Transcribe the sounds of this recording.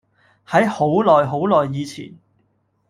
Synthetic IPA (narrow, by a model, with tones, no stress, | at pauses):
hɐ˨˥jho˨˥wlɔː˨jɦo˨˥wlɔː˨˩jːiː˨˧t͡sʰḭː˨˩n